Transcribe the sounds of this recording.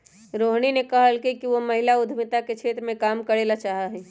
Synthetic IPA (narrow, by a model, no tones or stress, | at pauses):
ɾoːɦñinekɐɦəlkikiʋomɐɦɪlaʊd̪ʱmɪt̪aket͡ʃʰeːt̪ɾəmẽkaːmkəɾeːlat͡ʃaːɦaɦɛː